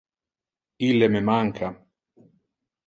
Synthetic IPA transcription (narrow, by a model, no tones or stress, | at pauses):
ilːememaŋkʰa